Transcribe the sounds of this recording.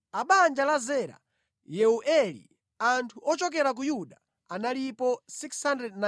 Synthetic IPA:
aɓand͡ʒalazɛɾa̰ | jɛuʔɛlḭ | antʰuɔt͡ʃɔk̬ɛɾak̬ujuɗa | analipɔsikshandrɛdna

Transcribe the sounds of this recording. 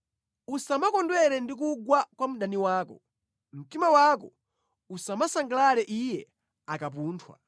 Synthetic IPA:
usamakɔndwɛɾɛndik̬uɡwakwam̩ɗaniwaːkɔ̰ | m̩timawaːkɔ | usamasaŋɡalalɛʔijɛ | akapuːntʰwa̰

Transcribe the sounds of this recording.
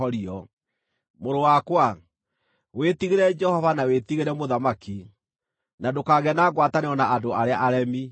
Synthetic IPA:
ɔɾiɔ | moɾowakwa | wetiɣeɾɛd͡ʒɛhɔvanawetiɣeɾɛmoðamaki | nadokaɣɛnaːɣwataneɔnaʔadoaɾeaʔaɾɛmi

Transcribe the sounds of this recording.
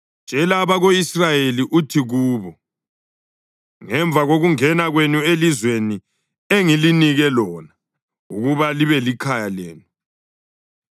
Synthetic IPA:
nd͡ʒ̥ʱɛlaβaɣoisrajeliʔutʰiɣuːβɔ | ŋɛɱb̪vʱaɣoɣuŋɛnaɣwenuelizweni | eŋiliniɣɛlɔːna | ɣuɣuβaliβɛlikʰajaleːnu

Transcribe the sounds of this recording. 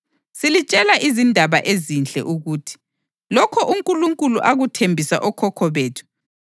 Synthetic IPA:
silit͡ʃʼɛlaʔizindʱaβaʔezint͡ɬʼɛ̰ʔuɣuːtʰi̥ | lɔkʰɔʔuŋkʼuluŋkʼuluʔaɣutʰembʱisa̰ʔɔkʰɔkʰɔβeːtʰu̥

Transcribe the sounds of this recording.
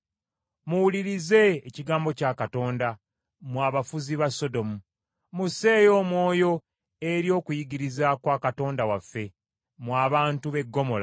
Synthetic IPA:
muwuliɾize̞ːciɡaːmbo̞caːkato̞ːnda | mwaːβafuziβaso̞do̞mu | muse̞ːjo̞ːmwo̞ːjo̞ | eɾjo̞ːkujiɡiɾizakwaːkato̞ːndawafːe̞ | mwaːβaːntuβe̞ɡːo̞mo̞la

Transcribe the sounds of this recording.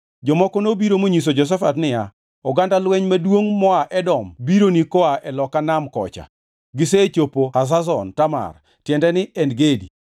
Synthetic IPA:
d͡ʒɔmɔkɔnobiɾomoɲis̬od͡ʒɔs̬ɛfatnɪja | ɔɡandalwɛɲmadwoŋmɔaʔɛdɔmbiɾonikɔaʔɛlɔkanamkɔ̰t͡ʃa̰ | ɡɪseːt͡ʃopohas̬as̬ɔntama̰r | tjɛndɛnɪʔɛnɡedḭ

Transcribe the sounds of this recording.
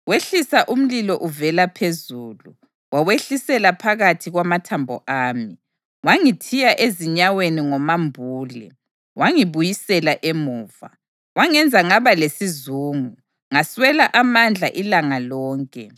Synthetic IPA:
weɬisaʔum̩lilɔʔuvɛlapʰezuːlu | waweɬisɛlapʰaɣatʰiɣwamatʰambʱɔ̰ʔaːmi | waŋitʰijaʔeziɲaweniŋɔmambʱuːlɛ̰ | waŋiβujisɛlaʔemuːva̰ | waŋɛnd͡zʱaŋaβalesizuːŋu | ŋaswɛlaʔamand͡ɮʱaʔilaŋalɔːŋkʼɛ

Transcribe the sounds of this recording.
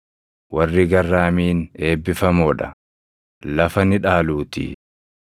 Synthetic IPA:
wɐrːɪɡɐrːaːmiːne̞ːbːɪfɐmɔːᶑɐ̥ | lɐfɐnɪᶑaːluːt̪ḭ

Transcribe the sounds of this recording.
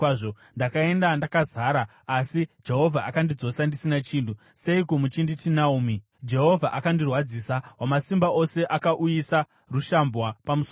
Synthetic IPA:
ʐo | ndakae̞ndandakazaɾaː | sid͡ʒe̞ɦo̞vʱaakandid͡zo̞sandisinat͡ʃiːntu | se̞ikomut͡ʃinditinauːmi | d͡ʒe̞ɦo̞vʱaʔakandirwad͡zisawamasimbaʔo̞se̞ʔakaʔujisa | ruʃambwapamuso

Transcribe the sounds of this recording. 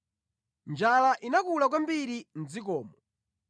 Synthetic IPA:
nd͡ʒalaʔinakulak̬wambiɾin̩d͡zikɔːmɔ

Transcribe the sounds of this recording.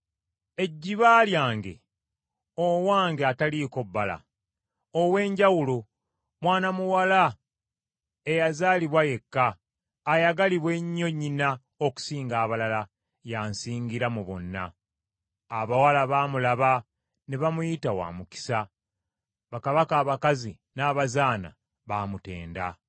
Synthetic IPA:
e̞ɟːiβaːljaːŋɡe̞̰ | owaːŋɡeataliko̞bːala̰ | owe̞ːɲɟawulo̞ | mwaːnamuwala | e̞jazaːliβwaje̞kːaː | jaɡaliβwe̞ɲːo̞ɲːina | oku̥siːŋɡaːβalala | jaːnsiːŋɡiɾamuβo̞̰nːa̰ː | βawalaβaːmulaβa | neβamujitawa̰ːmuki̥sa | βakaβakaːβakazi | naːβazaːna̰ | βaːmute̞̰ːnda̰

